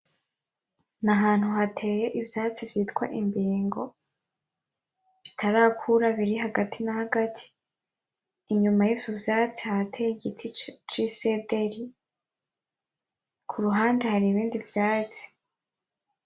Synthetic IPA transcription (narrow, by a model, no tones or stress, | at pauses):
naɦaːn̥huhatʰe̞ːje̞ʔivjaːt͡sivjiːtkwa̰ʔimbiːŋɡo̞ | βitʰaɾaːkʰuɾaβiɾiɦaɡatinahaɡatʰi̥ | ɲumajivjuvjaːt͡sihaɾatʰeːjiɡitʰit͡ʃisede̞ɾi | kʰuɾuɦaːnde̞haɾiːβiːndivjaːt͡si̥